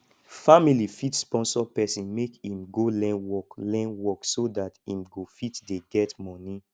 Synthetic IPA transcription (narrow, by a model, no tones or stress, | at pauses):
familifitspɔ̃nsɔpɛsĩnmekĩmɡolɛ̃nwɔklɛ̃nwɔksodatĩmɡofitdeɡɛtmɔ̃ni